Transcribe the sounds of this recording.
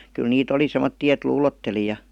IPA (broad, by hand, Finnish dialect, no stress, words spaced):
kyl niːt oli semotːiː et luːlotːeli jɑ